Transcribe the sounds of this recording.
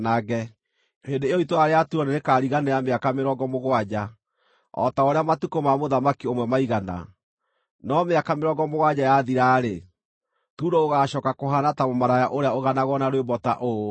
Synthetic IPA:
naɣɛ | hendeːjɔitoaɾeatuɔneɾekaːɾiɣanejameakameɾɔɡɔmoɣwad͡ʑa | ɔ̰taoɾeamatukomamoðamakiomwɛmaiɣana̰ | nɔmeakameɾɔɡɔmoɣwad͡ʑajaðiɾaɾe | tuːdooɣaːɕɔːkakoɦanatamomaɾajaʔoɾeaoɣanaɣɔnaɾowembɔta̰ʔo

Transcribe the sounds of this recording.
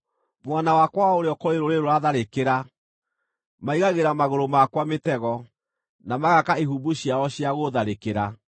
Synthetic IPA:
mwanawakwaoɾeɔkoeɾoɾeɾoɾaðaɾekeɾa | maiɣaɣeɾamaɣoɾomakwametɛɣɔ | namaɣakaiɦubuɕiaɔɕiaɣoðaɾekeɾa

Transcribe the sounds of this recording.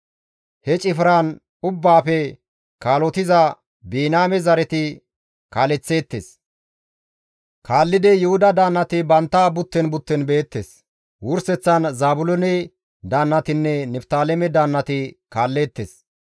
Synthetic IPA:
hɛt͡ʃʼɪfɾaːn | ʊbːaːfɛ | kaːlɔt̪ɪzɐ | biːnaːmɛzɐɾɛt̪ɪ | kaːlɛt͡sːe̞ːt̪ːḛs | kʰaːlːɪd̪ɛjʊhʊd̪ɐd̪aːnːɐt̪ɪbɐnt̪ːaːbʊt̪ːɛnbʊt̪ːɛnbe̞ːt̪ːeːs | wʊɾsɛt͡sːɐnzaːbʊlɔnɛ | d̪aːnːɐt̪ɪnːɛnɛpt̪aːlɛmɛd̪aːnːɐt̪ɪkaːlːe̞ːt̪ːeːs

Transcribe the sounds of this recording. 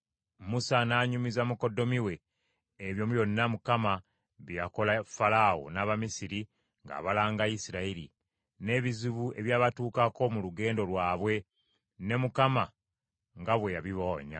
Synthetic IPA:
musanaːɲumizamuko̞do̞miwe̞ː | βjo̞mujo̞nːamukama | βjjako̞lafalawo̰naːβamisiɾi | ŋɡa̰ːβalaːŋɡaisiɾaiɾḭ | ne̞βiziβue̞̰βjaːβatuːkako̞muluɡe̞ːndo̞lwaːβwe̞ | ne̞mukama | ŋɡaβwe̞jaβiβoːɲa̰

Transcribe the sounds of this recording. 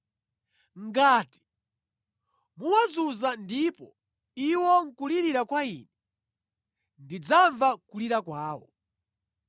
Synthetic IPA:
ŋɡaːti̥ | muwazuzandipɔ | iwɔŋ̩kuliɾiɾakwaiːnɛ | ndid͡zaɱvakuliɾakwaːwɔ̰

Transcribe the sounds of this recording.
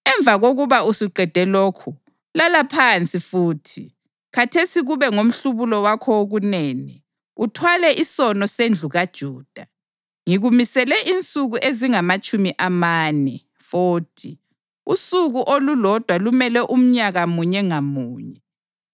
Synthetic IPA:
ɛɱb̪vʱaɣoɣuβausiǃʱɛd̥ʱɛloːkʰu | lalapʰant͡sʼifuːtʰi | kʰatʰesiɣuβɛŋom̩ɬuβulɔwakʰɔoɣuneːni | utʰwalɛʔisɔnɔsend͡ɮʱuɣad̥ʒ̥ʱuːd̥ʱa | ŋiɣumisɛlɛʔint͡sʼuɣuʔeziŋamat͡ʃʼumiʔamaːnɛ | foːtʰi | usuɣuʔolulɔd̥ʱwalumɛlɛʔum̩ɲaɣamuɲɛŋamuːɲɛ

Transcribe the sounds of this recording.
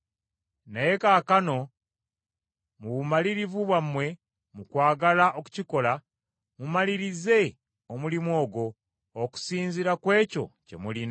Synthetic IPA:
naje̞kaːkano̞ | muβumaliɾivuβwamwe̞ | mukwaːɡalaʔo̞ku̥ciko̞la | mumaliɾize̞ | omulimwo̞ːɡo̞ː | ku̥siːnziɾakwe̞ːco̞̰ce̞̰mulina

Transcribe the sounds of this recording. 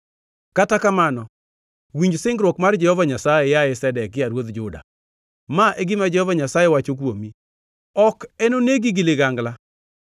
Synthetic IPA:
katakamanɔ | wiɲd͡ʒsɪŋɡɾwokmard͡ʒɛhɔvaɲasajejaesɛdɛkːɪjaɾwot̪d͡ʒʊda̰ | maʔeɡɪmad͡ʒɛhɔvaɲasajewat͡ʃok̬womi | ɔkɛnoneɡiɡɪleɡaŋɡla

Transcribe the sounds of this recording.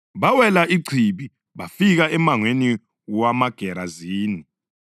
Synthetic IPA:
βawɛlaʔiǀʰiɓi | βafiɣaɛmaŋweni | wamaɡ̥ʱɛɾaziːni

